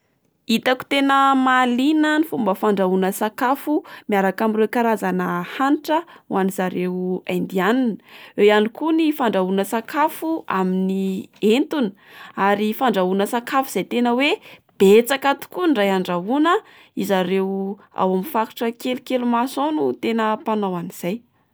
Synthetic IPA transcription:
it̪aku̥t̪enəmalinənifumbəfaɳɖ͡ʐaunəsakafumjaɾakamirekaɾazanəhanʈ͡ʂəwanizaɾewa̰jnd̪ianinəejanikunifaɳɖ͡ʐaunəsakafua̰minient̪unə̥ | aɾifaɳɖ͡ʐaunəsakafuz̥ajt̪enəweb̥et͡sakat̪u̥kunɖ͡ʐajaɳɖ͡ʐaɦunə | izaɾew | a̰waminfaku̥ʈ͡ʂəkelukelumasonut̪enəpanawaniz̥aj

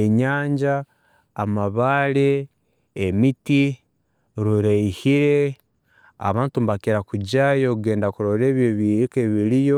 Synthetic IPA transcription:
eɲaːɲɟaː | maβaɾeː | miti | ɾuɾaihiɾe̞ | a̰βaːntumbakeɾakuɟajouɡeːndakuɾoɾe̞ːβjoβiɾikeβiɾijo

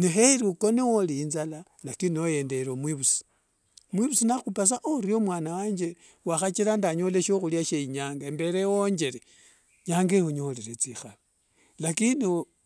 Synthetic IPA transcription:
neɦeɾiukonewoliːnzala | lakinioje̞ndeɾomwiβusi̥ | mwiβusinaxupas̬aʔoɾiomwaːnawaːɲd͡ʒe | waxat͡ʃilandaɲoleʃoxuljaʃeiɲaːŋɡambe̞ɾewoɲd͡ʒe̞ɾe | ɲaːŋɡehuɲoleɾet͡sixali | lakinio

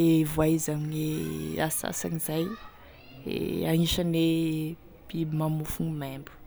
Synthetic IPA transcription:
evuaizaminea̰sa̰sanizaj | ḛaŋiʃane | pimamufunmembu̥

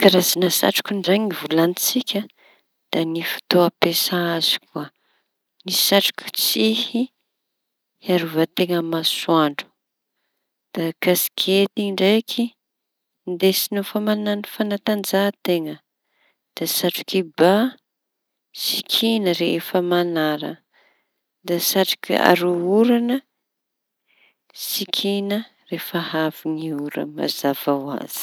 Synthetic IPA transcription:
kaɾazanasa̰ʈ͡ʂu̥kʲunɖ͡ʐaŋivulanit͡sikʲə | d̪̥anifi̥t̪oapesaaz̥i̥kuə | nisaʈ͡ʂu̥kʲu̥t͡sihi | aɾuvat̪eŋəmasuaɳɖ͡ʐu̥ | d̪̥akasi̥kʰet̪iɳɖ͡ʐajkʰi | nd̪esinofamananifanat̪and͡zat̪eŋə | d̪̥asaʈ͡ʂu̥kiba | sikʰinəɾefəmanaɾə̰ | d̪asaʈ͡ʂi̥kia̰ɾuuɾanə | sikʰinə | refəhaviŋiuɾə̰ma̰zav̥awa̰z̥i̥

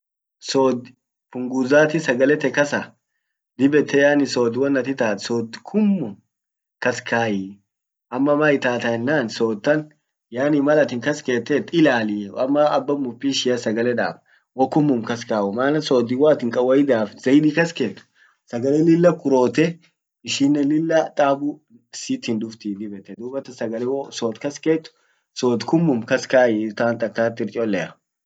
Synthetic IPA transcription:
soːd̪ | pʊŋɡuzaːt̪ɪsɐɡɐlɛt̪ɛkɐsa | d̪ɪbɛt̪ʰːɛjaːnɪsoːd̪ɪwɐnːɐt̪ɪt̪aːt̪soːd̪kʰʊmːʊm | kɐskaːjɪ | ʔɐmːɐmɐɪt̪aːt̪ɐɛnːaːnsoːt̪ːɐn | jaːnɪmɐlɐt̪ɪŋkɐske̞ːt̪ːɛt̪ɪlaːlɪɐmːɐɐbːɐmʊpːiʃɪjɐsɐɡɐlɛᶑa̰ːb | wɔkːʊmːʊmkɐskaːʊmaːnɐsoːd̪iwaːt̪ɪŋkʼɐwɐjɪd̪aːfz̥ɐjɪd̪iːkɐskeːt̪ːʊ̥ | sɐɡɐleːlɪlːɐkʊɾo̞ːt̪ɛ | ɪʃiːnːɐlɪlːɐt̪ʼaːbʊ | sɪt̪hɪnd̪ʊft̪iːd̪ɪbɛt̪ːɛd̪ubɐt̪ɐsɐɡɐlɛwsoːt̪kɐskeːt̪ːʊ̥ | soːt̪kʊmːʊmkɐskaːʔɪt̪aːnt̪ʼɐk̚t̪aːt̪ːɪɾt͡ʃʼolːɛɾ

